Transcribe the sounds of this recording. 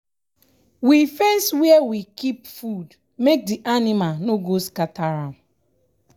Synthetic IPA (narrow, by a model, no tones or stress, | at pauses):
wifẽnswɛɛwikipfud | mek̚diʔanimalnoɡoskataɾãm